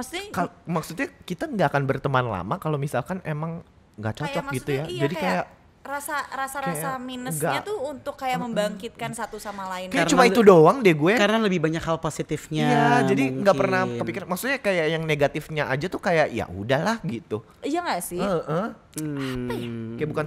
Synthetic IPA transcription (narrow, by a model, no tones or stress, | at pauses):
maksu̥t̪ɲkalmaksut̪̚ɲakit̪aŋɡaʔakanbərt̪əmanla̰makalomisalkanemaŋ | ŋɡa̰ʔt͡ʃɔt͡ʃɔtmaɡit̪ujad͡ʒadikajaʔ | rasaɾasaɾasjaminəɡaat̪ʊhunt̪ʊkːajaʔməmbaŋkɪt̪̚kansat̪usamalaɪnkajaɾt͡ʃumait̪udoaŋdiɛɡuɛkaɾənaləbɪhbaɲakhalposit̪ɪfɲaijad͡ʒadiŋɡaʔpərnat̪apikmaksut̪ɲakajaʔjaŋneɡat̪ɪfɲaʔad͡ʒat̪ukajaʔija̰ʔudahlahɡit̪u | ijaŋasɪəʔə | apajakajaʔbukan